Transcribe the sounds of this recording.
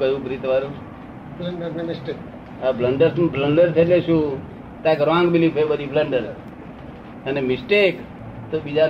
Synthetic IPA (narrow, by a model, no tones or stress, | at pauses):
kəjũɡɾit̪ʋaɾũ | bləɳɖəɾemɪsʈek | abləɳɖəɾbləɳɖəɾt̪ʰeleʃũ | t̪ãkɾoãŋɡbilipʰebəd̪ʱibləɳɖəɾ | ənemɪsʈek | t̪obid͡ʒa